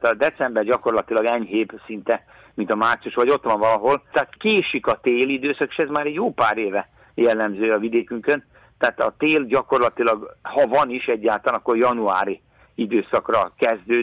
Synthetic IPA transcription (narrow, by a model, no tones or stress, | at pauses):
t̪ɒd̪ɛt̪sɛmbɛrɟɒko̞rlɒt̪ilɒɡɛɲɦeːbsint̪ɛ | mint̪ɒmaːrt̪sijuʃʋɒɟo̞t̪ʋɒɱvɒlɒɦo̞lt̪aːt̪keːʃikɒt̪eːlid̪øːsɒke̥ːʃɛzmaːɾɛɟjoːpaːɾeːvɛ | jɛlːɛmzøːjɒvid̪eːkyŋkøn | t̪aːt̪ɒ̰t̪eːlɟɒkorlɒt̪ilɒɡhɒvɒniʃɛɟːaːlt̪aːanɒkːo̞rjɒnua̰ːɾi | id̪øːsɒkrɒkɛzd̪øː